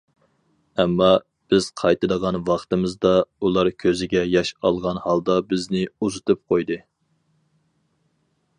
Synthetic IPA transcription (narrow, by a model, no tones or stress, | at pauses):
ɛmːɑ | b̥ɪz̥qʰɑjt̪ɨd̪əʁɑnwɑχt̪ɨmɨzd̪ɑulˠɑɾkʲʰøzɪɡʲɛjɑʃɑlˠʁɑnhɑlˠd̪ɑbɪznɪuzɨt̪ʰɨp̚qʰojd̪ɨ